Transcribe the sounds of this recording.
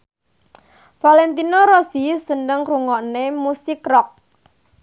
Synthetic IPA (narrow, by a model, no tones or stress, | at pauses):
falɛnt̪inɔɾosisəndəŋkɾuŋɔʔnemusɪkrɔk̚